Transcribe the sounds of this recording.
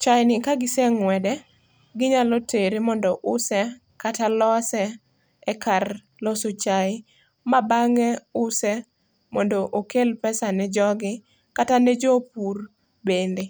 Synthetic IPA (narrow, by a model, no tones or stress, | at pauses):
t͡ʃajnɪkaɡɪsɛŋwɛdɛ | ɡɪɲalɔtʰeɾemɔndɔʔʊsɛ | katalɔsɛ | ɛkar | lɔsot͡ʃaj | mabaŋɛʊsɛ | mɔndoʔokelpɛsanɛd͡ʒɔɡɪ | katanɛd͡ʒop̚ur | bende